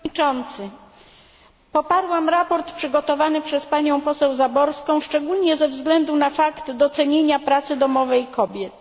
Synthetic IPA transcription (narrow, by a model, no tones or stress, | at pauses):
t͡ʂɔnt̪sɘ | pɔpaɾwamɾapɔɾt̪pʂɘɡɔt̪ɔvanɘpʂɛspaɲɔ̃w̃pɔsɛwzabɔɾskɔ̃w̃ʂt͡ʂɛɡulɲɛzɛvzɡlɛnd̪unafakt̪d̪ɔt̪sɛɲeɲapɾat̪sɘd̪ɔmɔvɛjkʰɔbʲjɛt̪